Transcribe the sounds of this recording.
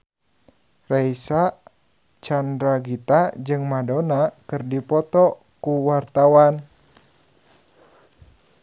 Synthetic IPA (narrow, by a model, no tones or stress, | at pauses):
raisa | t͡ʃandɾaɡit̪ad͡ʒɨŋmadonakɨrdipɔt̪ɔ | kuwart̪awan